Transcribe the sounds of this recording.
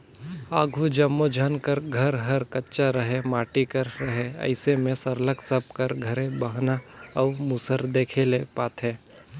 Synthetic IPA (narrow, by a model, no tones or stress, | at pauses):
aːɡʱud͡ʒɐmːod͡ʒʱənkəɾɡʱɐɾɦɐɾkɐtːʃaɾəɦemaːʈikəɾɾɐɦeɐ̰ɪsemẽsɐɾləksəb̚kəɾɡʱɐɾẽbəɦnaɐʊmuːsəɾd̪eːkʰelepaːt̪ʰɦɛ̃ː